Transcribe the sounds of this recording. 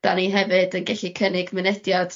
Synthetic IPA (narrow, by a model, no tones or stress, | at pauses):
d̥aniɦɛvɨdənɡɛɬikʰənɪɡmɪnɛd̥jad̥